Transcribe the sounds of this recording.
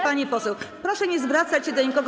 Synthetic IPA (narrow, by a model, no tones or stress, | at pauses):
paɲipɔsɛwpɾɔʂɛɲɛzvɾat̪sat͡ɕɕɛd̪ɔɲikɔɡ